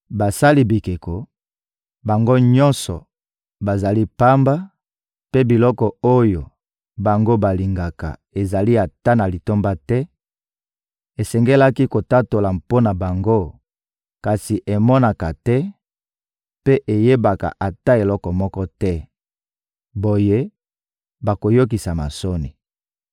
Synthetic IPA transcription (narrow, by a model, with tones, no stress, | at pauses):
ba˨sa˦li˦bi˨ke˨ko˨ | ba˨ŋɡo˦ɲɔ˦nsɔ̰˨ | ba˨za˨li˦pa˦mba˦ | pe˦bi˨lɔ˦kɔ˨o˦jo˨ | ba˨ŋɡo˦ba˨li˨ŋɡa˨ka̰˨e˨za˨li˦a˨ta˦na˨li˨to˦mba˦tɛ˦ | e˨sɛ˨ŋɡɛ˦la˦ki˦ko˨ta˦to˨la˨mpo˦na˨ba˨ŋɡo˦ | ka˨si˨ʔe˨mɔ˦na˨ka˨tɛ˦ | pe˦ʔe˨je˦ba˨ka̰˨ʔa˨ta˦e˨lɔ˦kɔ˨mɔ˦kɔ˦tɛ˦ | bo˨je˦ | ba˨ko˨jo˦k̬i˨sa˨ma̰˨so˦ni˨